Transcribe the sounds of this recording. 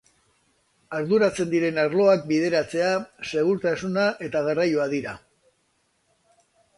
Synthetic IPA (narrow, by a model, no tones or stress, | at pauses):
aɾðuɾat͡se̞nd̪iɾe̞naɾlo̞ak̚bið̞e̞ɾat͡se̞ase̞ɣuɾt̪asunaʔe̞t̪aɣarajoaðiɾa